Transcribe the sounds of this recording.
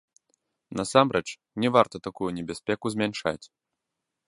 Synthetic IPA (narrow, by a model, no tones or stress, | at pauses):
nasamɾɛt͡ʂ | nʲɛvart̪ɐt̪akujunʲɛbʲasʲpʲɛkuzʲmʲɛnʂa̰t͡sʲ